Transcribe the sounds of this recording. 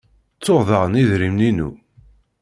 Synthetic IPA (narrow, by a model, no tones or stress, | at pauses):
t͡sːoʁðɑʁəniðɾimninṵ